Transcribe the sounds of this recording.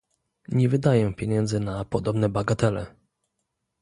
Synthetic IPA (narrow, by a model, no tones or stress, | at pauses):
ɲɛvɘd̪ajɛpʲjɛɲɛnd̪zɘnapɔd̪ɔbnɛbaɡat̪ɛlɛ